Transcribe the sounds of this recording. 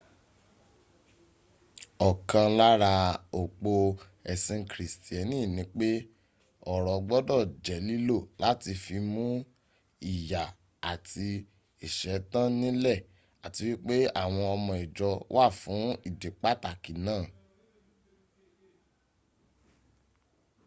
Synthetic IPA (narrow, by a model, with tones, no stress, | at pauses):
ɔ˨kã˧la˦ɾa˧o˨k͡po˧ | ɛ˨sĩ˧kɾi˨sti˨ɛ˨nĩ˦˨nĩ˨˦k͡pe˦ | ɔ˦˨ɾɔ˨ɡ͡bɔ˦dɔ˦˨d͡ʒɛ˨li˦lo˦˨la˨˦ti˧fi˧mũ˦ | i˦˨ja˨ | a˨tʰi˧ | i˨ʃɛ˨˦tã˦nĩ˦lɛ˦˨ | a˨ti˨˧˦wi˦k͡pe˦a̰˦˨w̃ɔ̃˧ɔ˧mɔ̃˧i˨d͡ʒɔ˧wʔa˦˨fũ˨˦i˦˨de˨k͡pa˦ta˦˨ki˨nãː˦˨